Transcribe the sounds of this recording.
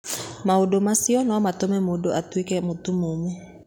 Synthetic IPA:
maodomasiɔnamatomɛmodoʔatwikɛmotumomu

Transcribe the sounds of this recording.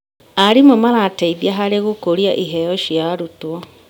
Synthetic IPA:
aɾimomaɾaːtaiðjaɦaɾeɣokoɾiaʔiɦɛjɔʃjaɾutwɔ

